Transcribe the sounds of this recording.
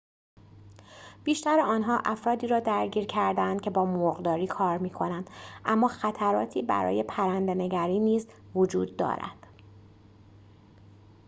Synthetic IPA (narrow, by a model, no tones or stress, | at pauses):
b̥iːʃt̪æɾeɒːnɦɒːʔæfɾɒːd̪iːɾɒːd̪æɾɟiːɾcʰæɾd̪æænd̪̚cʰe̞bɒːmoɣd̪ɒːɾiːkʰɒːɾmiːkʰo̞nænd̪̥ʔæmːɒːxæt̪ʰæɾɒ̰ːt̪ʰiːbæ̰ɾɒ̰ːje̞pʰæɾænd̪ene̞ɟæɾiːniːz | vod͡ʒuːd̪ːɒ̰ːɾæ̰d̪̥